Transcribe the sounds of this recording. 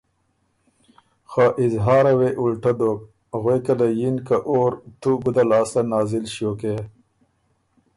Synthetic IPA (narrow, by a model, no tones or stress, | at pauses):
xaʔɪzɦɑːɾaweʔulʈad̪oːk̚ | ɣwekalajinkaʔoːɾt̪uɡud̪alɑːsanɑːzɪlʃjoke